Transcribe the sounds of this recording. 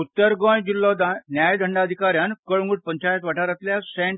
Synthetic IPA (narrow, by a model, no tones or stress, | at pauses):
ut̪ːəɾɡɔ̃jd͡ʑilːɔd̪anjajd̪ʱəɳɖad̪ʱikaɾjankəɭŋɡuʈ̚pəɲt͡ɕajət̪ʋaʈʰaɾat̪ljasẽɳ